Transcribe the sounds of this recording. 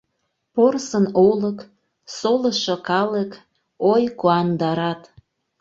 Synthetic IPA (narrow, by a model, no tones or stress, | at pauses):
porsənolək | soləʃokɑlək | ojkuɑnd̪ɑɾɑt̪